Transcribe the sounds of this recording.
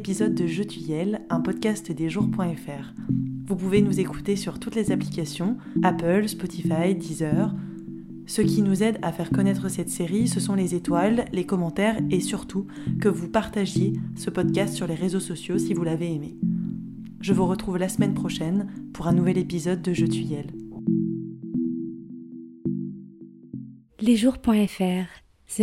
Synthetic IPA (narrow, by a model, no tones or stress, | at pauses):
pizɔd̪ːəʒøt̪ɥijɛlɛ̃pɔd̪kʲast̪d̪eʒuʁpwɛ̃ɛfɛʁvupuvenuzeku̥t̪esyʁt̪ut̪lezaplikʲasjɔ̃ | apœlspɔt̪ifajd̪izœʁ | səkʲinuzɛd̪afɛʁkɔnɛt̪χəsɛt̪seʁisəsɔ̃lezet̪walːekɔmɑ̃t̪ɛʁesyʁt̪u | kəvupaʁt̪aʒjesəpɔd̪̚kʲast̪syʁleʁezosɔsjosivulaveːme | ʒəvuʁət̪χuvlasəmɛnpχɔʃɛnpuʁɛ̃nuvɛlepizɔd̪ːəʒøt̪yjɛl | leʒuʁpwɛ̃ɛfɛʁ | s